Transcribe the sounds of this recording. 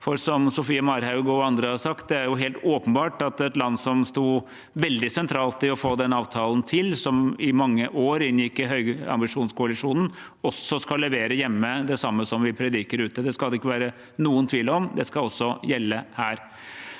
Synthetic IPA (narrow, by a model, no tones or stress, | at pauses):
fɔɾsɔmsʊfiːəmɑɾhɑʉɡɔɑnd̪ɾəhɑsɑkt̪̚d̪ɛæɾjʊɦeːlt̪oːpənbɑːʈɑt̪ɛt̪lɑnːsɔmst̪uː | ʋɛld̪ɪsɛnt̪ʰɾɑːlt̪ɪɔfoːd̪ɛnːɑːʋt̪ʰɑːlnt̪ʰɪlsɔmɪmɑŋːəʔoːɾɪnjɪkːɪɦœʏɡɑ̰mbɪʂuːnskʰʊɑlɪʂuːnn̩ | ɔsɔskɑlːɛʋeːɾəjɛmːəd̪ɛsɑmːəsɔmʋɪpʰɾɛd̪ɪkəɾʉːt̪əd̪ɛskɑld̪ɛɪkːəʋæːɾə | nuːənt̪ʰʋiːləɾɔmd̪ɛskɑlɔsːɔjɛlːəhæːɾ